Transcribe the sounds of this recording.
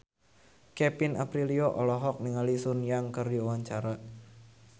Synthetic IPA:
kɛpinapɾilioʔɔlɔɦɔk̚niŋalisunjaŋkərdiɔwaɲt͡ʃaɾa

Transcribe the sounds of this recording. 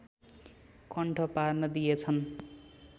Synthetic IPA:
kʌɳʈʰʌparnʌd̪ijet͡sʰʌn

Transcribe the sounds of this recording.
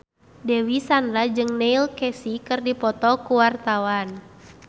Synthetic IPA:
dɛwisandɾad͡ʒɨŋneilkɛsikɨrdipɔt̪ɔkuwart̪awan

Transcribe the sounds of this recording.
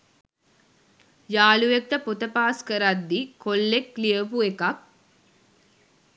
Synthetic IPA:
jaːlujek̚t̪ɐpot̪əpaːskəɾad̪ːikolːekːlijəpuekak̚

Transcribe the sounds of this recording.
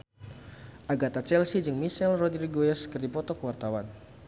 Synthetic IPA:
ʔaɡat̪at͡ʃɛlsid͡ʒɨŋmisɛlrɔdiɾiɡoɛskɨrdipɔt̪ɔkəwart̪awan

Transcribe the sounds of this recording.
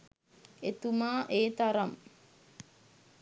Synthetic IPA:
et̪umaːʔeːt̪aɾam

